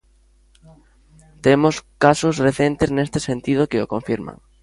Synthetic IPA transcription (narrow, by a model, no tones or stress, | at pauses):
t̪emoskasosreθent̪eznest̪ɪsent̪ið̞ʊkɪokõɱfiɾma̰ŋ